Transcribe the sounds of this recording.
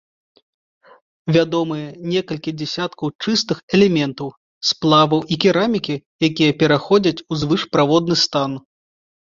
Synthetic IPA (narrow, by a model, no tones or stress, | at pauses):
vʲad̪ɔmɨjɐnʲɛkɐlʲkʲid͡zʲɛsʲat̪kɐwt͡ʂɨst̪ɨxɛlʲɛmʲɛnt̪ɐw | splˠavɐwʔikʲɛɾamʲikʲijak̬ʲijɐpʲɛɾaxɔd͡zʲɐt͡sʲuzvɨʂpɾavɔd̪nɨst̪an